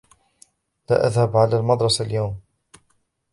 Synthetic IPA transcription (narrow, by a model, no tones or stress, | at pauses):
la̰ːʔa̰ðhabʕalaːlmɑd̪ɾˤɑsaljawm